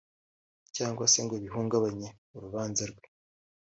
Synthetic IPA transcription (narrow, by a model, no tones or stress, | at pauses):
caːŋɡwaseŋɡoβiɦuːŋɡaβaɲe̞ | uɾuβaːnzaɾɡwe